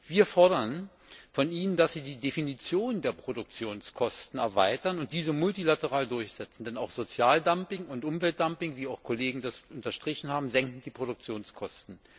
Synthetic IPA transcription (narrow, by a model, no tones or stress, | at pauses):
viːɐfɔɐɾɐn | fɔniːnəndasz̥iːdiːdefinit͡sjoːnəndeːɐpʁ̥odʊk̚t͡sjoːnskʰɔstn̩ɛ̰ɐvaɪtɐnʊnt̚d̥iːzəmʊltilatəʁaːldʊɐçz̥ɛt͡sn̩dɛnaʊxz̥ot͡sjaːldampɪŋʊntʔʊmvɛlt̚d̥ampɪŋviːaʊxkʰoleːɡŋ̩dasʔʊntɐʃtʁ̥ɪçn̩haːbm̩zɛŋkŋ̩d̥iːpʁ̥oɾʊk̚t͡sjoːnskʰɔstn̩